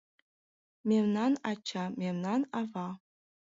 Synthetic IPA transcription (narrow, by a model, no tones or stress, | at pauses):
mʲemnɑnɑt͡ɕʰːɑmʲemnɑnɑvɑ